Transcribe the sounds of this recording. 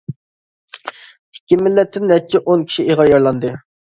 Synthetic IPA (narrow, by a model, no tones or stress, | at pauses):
hɪ̥kʲːimːɪlːɛt̪ʰːɪnːɛt͡ʃʰːiʔonkʲʰi̥ʃieʁɑɾjɑɾlˠɑnd̪ɨ